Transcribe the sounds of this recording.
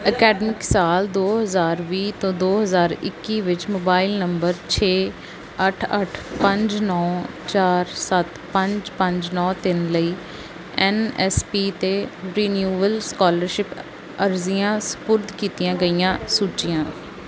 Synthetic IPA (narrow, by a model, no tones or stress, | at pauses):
əkɛːɖəmɪksaːld̪oːɦəzaːɾʋiːt̪õːd̪oːɦəzaːɾɪ̰kːiːʋɪt͡ʃmoːbaːɪlnəmbəɾt͡ʃʰeː | əʈʰəʈʰpəɲd͡ʒnɔː | t͡ʃaːɾsət̪ | pə̃ɲd͡ʒpə̃ɲd͡ʒnɔːt̪ɪnləiː | ɛnɛspiːt̪eːɾiːnjuːʋəlskɔːləɾʃɪp | əɾzijãːspʊɾd̪kiːt̪ijãːɡəijãːsuːt͡ʃɪjãː